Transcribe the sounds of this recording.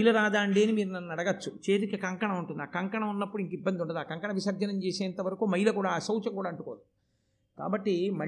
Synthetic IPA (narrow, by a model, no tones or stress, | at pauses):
jlɐɾaːd̪aːɳɖe̞ːnimiːɾunɐnːnɐɽɐɡɐt͡ʃːut͡ʃe̞ːt̪ukɐkɐŋkɐɳɐuɳʈund̪a̰ːkɐŋkɐɳɐmunːɐpːuɽiŋkibːɐnd̪iuɳɖɐd̪aːkɐŋkɐɳɐʋiʃɐɾd͡ʒɐnɐmt͡ʃeːseːnt̪ɐʋɐɾɐkumɐjlɐkuːɽaːsɐwt͡ʃɐŋkuːɽaːɐɳʈukoː | ka̰ːbɐʈːimɐ